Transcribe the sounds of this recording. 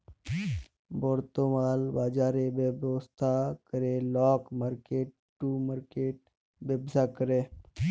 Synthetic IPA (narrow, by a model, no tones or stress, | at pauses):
boːɾt̪oːmaːlbaːd͡ʒaːɾebəbʋəst̪ʰakəɾeːlɔːkmaːɾkeːʈ | ʈːuːmaːɾkeːʈ̚ | bebsakəɾeː